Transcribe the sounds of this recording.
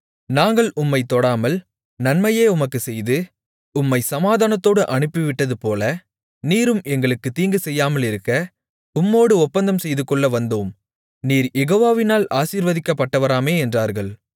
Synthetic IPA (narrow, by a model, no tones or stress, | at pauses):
naːŋɡɐɭʔʊmːɐɪt̪ːɔɽaːmɐl | nɐnmɐjeːʊmɐkːɯsɛjðɯ | ʊmːɐɪsɐmaːðaːnɐt̪ːoːɽɯʔɐɳɯpːɯʋɪʈːɐðɯpoːlɐ | niːɾɯmʔɛŋɡɐɭɯkːɯt̪ːiːŋɡɯsɛjːaːmɐlɪɾɯkːɐ | ʊmːoːɽɯɔpːɐnd̪ɐmsɛjðɯkːɔɭːɐʋɐnd̪oːm | niːɾjɛɣoːʋaːʋɪnaːlaːsiːɾʋɐðɪkːɐpːɐʈːɐʋɐɾaːmeːɛndraːɾɣɐɭ